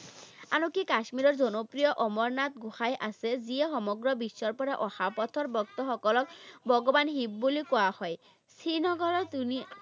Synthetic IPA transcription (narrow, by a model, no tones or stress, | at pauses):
a̰nokikasmiɾɔɹzɔnɔpɹijɔʔɔmɔɹnat̪ɡuxajʔasɛziɛxɔmɔɡɹɔbisːɔɹpɔɾaʔɔxapɔt̪ʰɔɹbɔk̚t̪ɔxɔkɔlɔkbɔɡɔbanɦib̚bulikɔahɔj | sʰɹinɔɡɔɹɔt̪uni